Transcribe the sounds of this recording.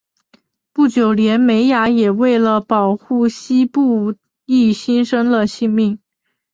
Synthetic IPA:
pu˥˩t͡ɕjo˨˩ʊljɛ˧˥nme˧˥ɪja˧˥jɛ˨˩we˥˩ɪlə˩pɑ˨˩ʊxu˥˩ɕi˥pu˥˧ | i˥˩ɕi˥nʂɤ˥ŋd̪ə˨ɕi˥˧ŋmi˥˩ŋ

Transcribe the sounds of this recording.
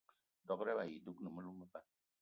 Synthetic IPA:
dɔ˨kɾɛ˦ba˨ji˨du˦knɨ˨mə˦lu˦mə˦pa˦

